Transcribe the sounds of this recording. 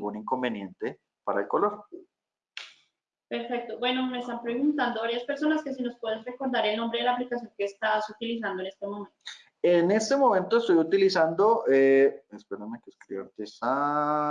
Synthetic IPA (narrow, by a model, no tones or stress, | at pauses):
ɡuniŋko̞mbe̞njẽ̞nt̪e̞ | paɾa̰elko̞lo̞ɾ | peɾfe̞k̚t̪obwe̞no̞me̞est̪ampɾe̞ɣunt̪and̪oβaɾjaspe̞ɾso̞naske̞s̬ino̞spwe̞ðezre̞ko̞ɾd̪aɾe̞lnõ̞mbɾe̞ðelaːplikasjo̞ŋke̞ːst̪asut̪ilis̬and̪oene̞st̪emo̞ment̪o | ene̞st̪emõ̞mẽnt̪oest̪ojut̪ilisand̪oʔeespeɾemekeskɾiβa̰ɾt̪esa